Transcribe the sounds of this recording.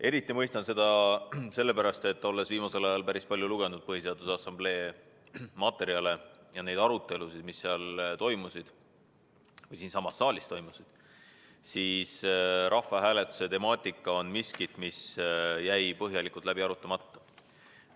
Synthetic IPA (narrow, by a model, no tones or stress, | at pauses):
ʔe̞ɾit̪ːˑimɤjst̪ɑnse̞d̪̥ɑse̞lːe̞pæɾɑst̪e̞t̪ːˑo̞lːe̞sviːmɑse̞lɑjɑlpæɾispɑlʲjuluɡ̥e̞nud̪̥̚pɤɦise̞ɑd̪̥usɑsɑmble̞ː | mɑt̪ːˑe̞ɾiɑle̞jɑne̞jd̪ɑɾut̪ːˑe̞lusid̪̥misːeɑlt̪o̞jmusid̪̥ | vɤjsiːnsɑmːɑsːɑːlʲist̪o̞jmusid̪̥ | siːsɾʔɑfːɑɦæːle̞t̪ːˑu̥se̞t̪e̞mɑːt̪ʲːˑikːˑɑo̞nmiskit̪misjæjpɤɦjɑlikˑult̪læbiɑɾut̪ːˑɑmɑt̪ˑːɑ̥